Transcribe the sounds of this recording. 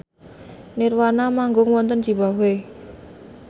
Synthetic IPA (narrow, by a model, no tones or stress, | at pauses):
nirwanamaŋɡʊŋwɔnt̪ənd͡ʒ̥i̤bawe